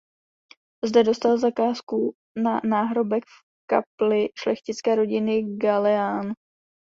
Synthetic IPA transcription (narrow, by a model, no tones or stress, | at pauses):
zdɛdo̞st̪alzakaːsku | nanaːɦɾo̞bɛkf | ka̰plɪʃlɛxcɪt͡skɛːɾo̞ɟɪnɪɡalɛaːn